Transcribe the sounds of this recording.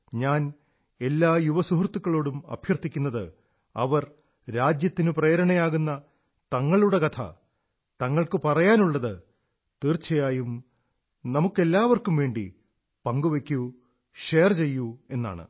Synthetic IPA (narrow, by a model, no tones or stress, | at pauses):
ɲaːn | e̞lːaːjuʋɐsuɦrt̪ːukːɐɭo̞ːɽumɐ̰bʱjɐrt̪ːikʲːunːɐðɨ | ɐ̰ʋɐr | ɾaːd͡ʑjɐt̪ːinɨpreːɾɐɳɐjaːɣunːɐ | t̪ɐŋːɐɭuɽe̞kɐt̪ʰɐ̰ | t̪ɐŋːɐɭkɨpɐrɐjaːnuɭːɐðɨ | t̪iːrt͡ɕːɐjaːjum | nɐmukːe̞lːaːʋɐrkumʋe̞ːɳɖḭ | pɐŋɡuʋekʲːu | ʂeːrt͡ɕe̞jːue̞nːa̰ːɳɨ̰